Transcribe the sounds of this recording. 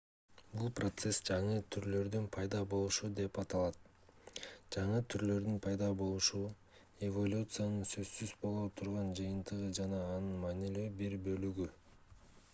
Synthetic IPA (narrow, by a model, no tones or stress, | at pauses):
bulˠprot̪se̞sd͡ʒɑɴɯt̪ʰyɾlø̞ɾd̪ynpʰɑjd̪ɑbo̞lˠuʃud̪e̞pɑt̪ɑlˠɑt̪̚ | d͡ʒɑɴɯt̪ʰyɾlø̞ɾd̪ynpʰɑjd̪ɑbo̞lˠuʃu | evo̞lʲut̪sɨjanɯnsø̞zsyzbo̞lˠot̪ʰuɾʁɑnd͡ʒɯjɯnt̪ɯʁɯd͡ʒɑnɑːnɯnmɑːnilyːbiɾbø̞lyɡy